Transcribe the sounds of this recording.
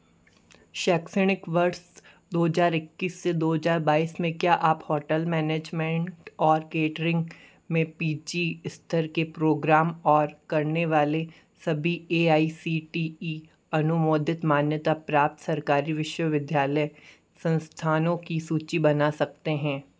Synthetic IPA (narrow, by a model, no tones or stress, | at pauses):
ʃɛːksɪɽ̃ɪkʋɐɾs | d̪oːɦɐzaːɾɪkːiːsːed̪oːɦəzaːɾbaːiːsmẽkjaʔaːphɔːʈəlmɛːneːd͡ʒmɛ̃ɳʈɔːɾkeːʈəɾɪ̃ŋɡ | mẽpiːd͡ʒiɪst̪ʰəɾkepɾoːɡɾaːmɔːɾkɐɾneʋaːle | sɐbʱieːaːisiʈiːi | ɐnʊmoːd̪ʱɪt̪maːnjət̪apɾaːp̚t̪sɐɾkaːɾiʋɪʃwəʋɪd̪ʱjaːləj | sɐ̃nst̪ʰaːnõkisuːt͡ʃibɐnasɐk̚t̪eɦɛ̃ː